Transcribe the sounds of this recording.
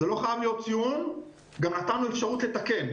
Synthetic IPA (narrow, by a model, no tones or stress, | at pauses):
zelo̞χajavlijo̞t̪̚t͡sijun | ɡamnat̪anuefʃaʁut̪le̞t̪ake̞n